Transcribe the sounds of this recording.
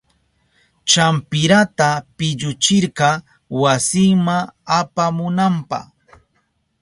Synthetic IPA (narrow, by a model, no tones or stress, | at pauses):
t͡ʃampɪɾat̪apɪʎʊt͡ʃɪɾɢɑ | wasɪŋmaapamʊnampɑ̰χ